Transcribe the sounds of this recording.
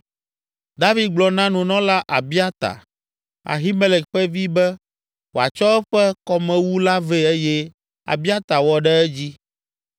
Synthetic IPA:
d̪a˦vi˨d̪̚ɡ͡blɔ˨nã˦nũ˨nɔ̃˦la˦ʔa˨bi˦a˦t̪a̰˨ | a̰˨ɦi˦me˦lɛ˨kɸɛ˦vi˦bɛ˦ | wo˨a̰˨t͡ʃɔ˦ɛ˦ɸɛ˦kɔ˦mɛ̃˨wu˦la˦ve˦ɛ˦jɛ˦ | a̰˨bi˦a˦t̪a˨wɔ˨ɖɛ˦ɛ˦d͡ʑi˦

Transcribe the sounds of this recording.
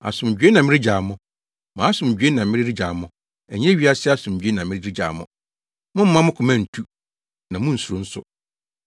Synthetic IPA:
a̰˨sʊ̃˨m˨d͡ʑᶣɥe˦nã˨mɪ̃˦ɾɪ˦d͡ʑa˨mʊ̃˦ | mã˨˦sʊ̃˨m˨d͡ʑᶣɥe˦nã˨˦ɪ̃˦ɾɪ˦ɾi˦d͡ʑa˨mʊ̃˦ | æ˨ɲɛ̃˦ɥi˦a˦sɪ˦a˦sʊ̃˨m̩ᶣ˨ɥe˦nã˨mɪ̃˦ɪ˦i˦d͡ʑa̰˨mʊ̰̃˦ | mʊ̃˦m̩˦mã˦mʊ̃˦kʰʊ˨mæ̃˦˨n̩˨tʰu˦ | nã˨mʊ̃˦n̩˨su˨ɾõ˦n̩˦sʊ̰˦

